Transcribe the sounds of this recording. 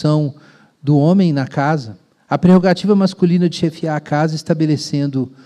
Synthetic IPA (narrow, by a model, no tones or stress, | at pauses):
ɐ̃w̃ | d̪ʊõmẽj̃nɐkazɐ | ɐpɾeɦoɡat͡ʃivɐmaskulĩnɐd͡ʒɪɛfiaːkazɐist̪abelesẽnd̪ʊ